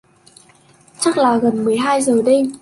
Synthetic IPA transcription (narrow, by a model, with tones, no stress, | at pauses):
t͡ɕa˦˥k̚laː˨˩ɣə˨˩nmɨ˨˩əjɦaː˧jzəː˨˩ɗə˧j